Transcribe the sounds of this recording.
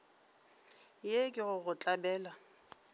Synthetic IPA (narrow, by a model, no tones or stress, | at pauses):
jekʼɪɣʊɣʊt͡ɬʼabɛːla